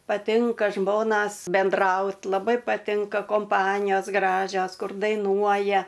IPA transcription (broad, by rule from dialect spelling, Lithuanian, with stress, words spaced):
pɐˈtʲɪŋkɐ ˈʒmoːnɐs bʲɛnˈdrɐʊt lˠɐˈbɐɪ pɐˈtʲɪŋkɐ koːmˈpɑːnʲɪjoːs ˈɡrɑːʒʲoːs ˈkʊr dɐɪˈnuɔjɛ